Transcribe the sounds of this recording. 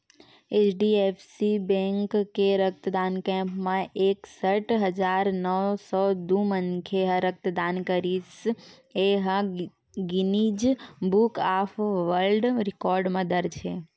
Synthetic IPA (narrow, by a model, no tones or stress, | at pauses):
et͡ʃɖiefsibɛ̃ŋkːeɾək̚t̪əd̪ankɛ̃mpmãʔeksəʈʰɦəd͡ʒaɾnəʋsɔd̪umənkʰeɦə̃ɾək̚t̪əd̪ankəɾis | eɦə̃ | ɡinid͡ʒbukafʋəɾlɖɾɪkɔɾɖməd̪əɾt͡ʃʰe